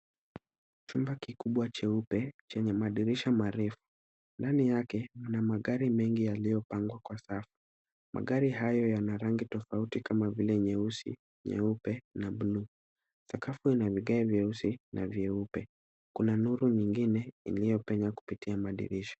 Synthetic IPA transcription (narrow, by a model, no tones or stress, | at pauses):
t͡ʃumbakikuɓwat͡ʃɛupɛt͡ʃɛɲɛmaɗiɾiʃamaɾɛfu̥ | ndanijakɛm̩namaɠaɾimɛŋɡijalijɔpaŋɡwakwasafu̥ | mʔa̰ɠaɾihajɔjanaɾaŋɡitɔfautikamavilɛɲɛusḭ | ɲɛ̰upɛnaɓunu | sakafuinaviɠɛɛvjɛusinavjɛupɛ | kunanuɾuɲiŋɡinɛḭlijɔpɛɲaku̥pitiamaɗḭɾiʃḁ